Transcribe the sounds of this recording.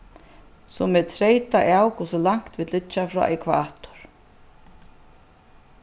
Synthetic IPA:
sɔmɛt̪ʰɾeːjt̪aʔawkʰɔsʊlaŋ̥t̪viːt̪lɪt͡ʃːafɾɔ̰ʔɛkʰva̰ːt̪ʊ̥ɾ̥

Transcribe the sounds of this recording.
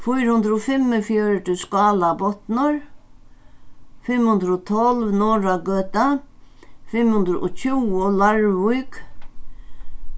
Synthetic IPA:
fujɾhʊnd̪ɾɔfɪmːəfjœɹʈ̪ʏskaːlabɔt̪nəɹ | fɪmhʊnd̪ɾɔt̪ʰɔlʋnɔːɹaɡøːt̪a | fɪmhʊnd̪ɾʊ̰ʔɔcʰuːɔlaɹʋʊjk

